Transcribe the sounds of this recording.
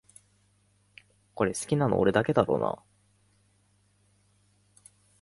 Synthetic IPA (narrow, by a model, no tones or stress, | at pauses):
ko̞ɾe̞sɨ̥kʲinano̞̰oɾe̞d̪ake̞d̪aɾo̞̰ːna̰